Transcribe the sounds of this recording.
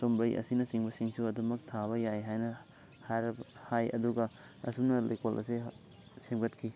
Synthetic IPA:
sombɐjʔɐ̰sinɐsiŋbɐsiŋsuɐdumɐk̚tʰaβɐjajɦajnɐ | haɾɐbhajɐ̰duɡɐ | ɐ̰sumnɐlɐ̰jkolʔɐ̰se | semɡɐt̚kʰi

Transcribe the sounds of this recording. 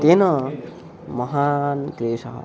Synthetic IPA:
t̪enʌ | mʌɦankɾesʌɦ

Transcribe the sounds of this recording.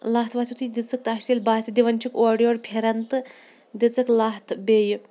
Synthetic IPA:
lɐɦt̪ʰʋɐsʰʲut̪id̪it͡sɨk̚t̪aʃilʲbaːsʲid̪iʋɐnʲt͡ʃʰikoːɖijoːɽpʲʰeɾɐnt̪ɨ | d̪it͡sɨklɐɦt̪ʰbeːjɨ

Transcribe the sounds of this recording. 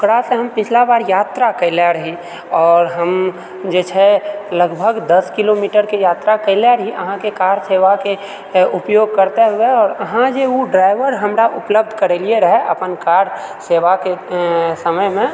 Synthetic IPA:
ʊkɾaseɦəmpɪt͡ʃʰlabaːɾjaːt̪ɾakəɪlaɾəɦi | ɔːɾɦəm | d͡ʒeːt͡ʃʰɛləɡbʱəɡd̪əskilomiʈəɾkejaːt̪ɾakəɪlaɾəɦiʔə̰ɦãkekaːɾseːʋake | ʊpjoɡ̚kəɾt̪eɦʊeɔːɾəɦãd͡ʒeuɖɾaːɪʋəɾɦəmɾaʔʊpləb̚d̪ʱkəɾelieɾəɦɛʔə̰pənkaːɾseːʋakesəməjmẽ

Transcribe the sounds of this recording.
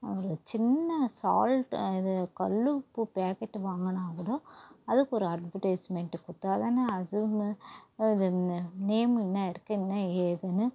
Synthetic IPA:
ɔɾɯt͡ʃɪnːɐsa̰ːlʈɪðɯkɐlːɯpːɯpaːkɛʈːʋaːŋɡɐnãːkɯɽoɐðɯkːɔɾɯɐɖbɐʈɐɪsmɛɳʈɯkʊt̪ːaːðaːnɐɐðɯ | ɪðɯneːmɪnːaɪɾɯkːɯ̃ɪnːaeːðɐnɯ

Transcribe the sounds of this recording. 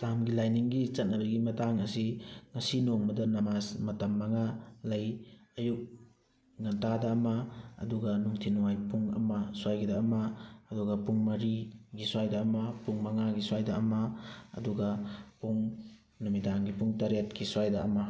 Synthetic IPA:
lamɡilajniŋɡit͡ʃɐt̚nɐbɐɡimɐtaŋɐsiŋɐsinoŋmɐdɐnɐmasmɐtɐmːɐŋalɐjɐjuk̚ | nɐntadɐːmɐɐ̰duɡɐnuŋtʰinuwajpuŋɐ̰mɐswajɡidaɐmɐːduɡɐpuŋmɐɾiɡiswajdɐːmɐpuŋmɐŋaɡiswajdɐɐmɐɐ̰duɡɐpuŋ | numidaŋɡipuŋtɐɾet̚kiswajdɐɐmɐ

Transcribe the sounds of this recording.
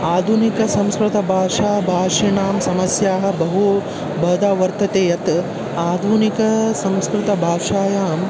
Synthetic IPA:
aːd̪ʱunikɐsɐmskɾɪt̪ɐbʱaːʂaːbʱaːʂiɳaːmsɐmɐsjaːɦɐ̆bɐɦu | bʱɐːd̪aːʋɐɾt̪ɐt̪eːjɐt̪ | aːd̪ʱunikɐsɐmskɾɪt̪ɐbʱaːʂaːjaːm

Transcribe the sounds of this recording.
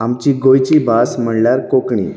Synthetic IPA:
amt͡ɕiɡojt͡ɕibʱasm̤əɳljaɾkokɳḭ

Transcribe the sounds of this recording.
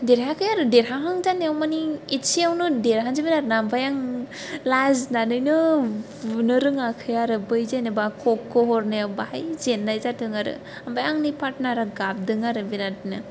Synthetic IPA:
deɾɦakʰɯjaɾɯdeɾɦaɦaŋzaneawmaniit͡ʃiawnɯdeɾɦaŋzibinaɾnaambajaŋ | laznanɯjnɯbunɯɾɯŋakʰɯjaɾɯbɯjzajnɯbakʰɔkːɔɦɔɾnɯjabahajzenːajzatɯŋaɾɯ̰ | ambajaŋnipʰat̚naɾaɡap̚dɯŋaɾɯbinatnɯ

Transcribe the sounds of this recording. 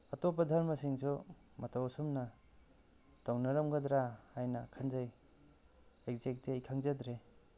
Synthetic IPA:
ɐtopɐdʱɐɾmɐsiŋsʰu | mɐtawsumnɐ | tawnɐɾɐmɡɐd̪ɾahajnɐkʰanzaj | ek̚zek̚tiajkʰaŋzɐdɾe

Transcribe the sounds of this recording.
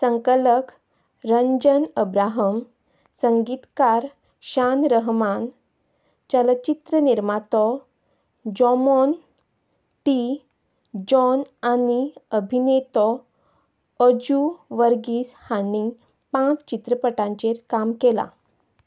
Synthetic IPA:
səŋkələk | ɾəɲd͡ʑənəbɾaɦəm | səŋɡit̪kaɾ | ɕanɾəɦman | t͡ɕələt͡ɕit̪ɾəniɾmat̪ɔ | d͡ʑɔmɔn | ʈi | d͡ʑɔnaniəbʱinet̪ɔ | əd͡ʑuʋəɾɡiːshañi | pãt͡st͡ɕit̪ɾəpəʈãɲt͡ɕeɾkamkela̰

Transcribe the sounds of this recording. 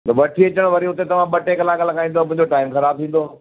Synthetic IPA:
t̪ɐbɐʈʰiɐt͡ɕəɽ̃ʋɐɾiɦʊt̪et̪ɐʋ̤ãɓɐʈekɐlaːkalɐɡaːĩnd̪omʊ̃ɦɪ̃ɲd͡ʑoʈaːɪmxɐɾaːb̚t̪ʰĩːn̆d̪oː

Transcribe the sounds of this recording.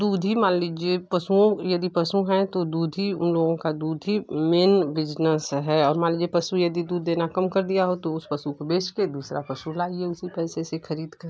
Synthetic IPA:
d̪uːd̪ʱimãːnliːd͡ʒiepɐsuõjɐd̪ipɐsũɦɛ̃t̪od̪uːd̪ʱiʊ̰nloːɡõkad̪uːd̪ʱɦimeːnbɪd͡ʒnəsɦɛɔːɾmãːliːd͡ʒiepɐsujɐd̪id̪uːd̪ːeːnakɐmkɐɾd̪ijaɦot̪oʊspɐsukobeːʃked̪uːsɾapɐsulaːieʊsipɛːsesexɐɾiːd̪kɐɾ

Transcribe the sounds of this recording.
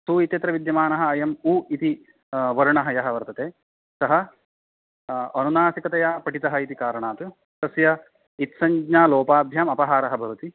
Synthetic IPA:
suːit̪jɐt̪ɾɐʋid̪jɐmaːnɐɦɐ̆ːjɐmuːit̪i | ʋɐɾuɳɐɦɐjɐɦɐ̆ʋɐɾt̪ɐt̪eː | sɐɦɐ | ɐnunaːsikɐt̪ɐjaːpɐʈit̪ɐɦɐ̆it̪ikaːɾɐɳaːt̪u | t̪ɐsjɐ | it̪sɐɲd͡ʒɲaːloːpaːbʱjaːmɐpɐɦaːɾɐɦɐbʱɐʋɐt̪i

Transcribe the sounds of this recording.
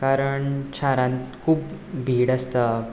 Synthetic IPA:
kaɾəɳt͡ɕʰaɾãnt̪kʰuːpbʱiːɽəst̪a

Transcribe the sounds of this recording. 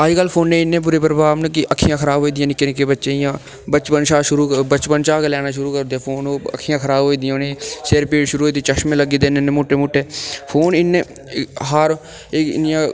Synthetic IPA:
aːd͡ʒkəlpʰoːnːẽɪnːẽːp̬uːɾeːpɾəbʱaːbnek̬iʔəkʰːijãːkʰəɾaːbʱoːid̪ɪjãːnɪkɪnekebətːʃẽːɪjãː | bət͡ʃpənʃaːʃʊɾukbət͡ʃpənʃaːkelɛːnaːʃʊɾukəɾd̪epʰoːnoːə̰kʰːijãːkʰəɾaːbɦoːiːd̪ɪjãneseːɾpeːɽʃʊɾuːɦoːid̪it͡ʃəʃmẽləɡiːd̪enenemoːʈːemoːʈːeːpʰoːnɪnːe | ɦaɾ | enjã

